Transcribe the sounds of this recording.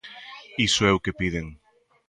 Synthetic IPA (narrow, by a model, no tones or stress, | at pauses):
isoɛwkepið̞eŋ